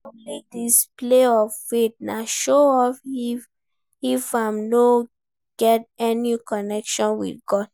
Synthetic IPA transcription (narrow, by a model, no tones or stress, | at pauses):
alek̚displeɔvfet̚naʃoɔfi | ifamno | ɡ̥ɛt̚ɛnikɔnɛkʃɔ̃nwḭd̚ɡɔd̥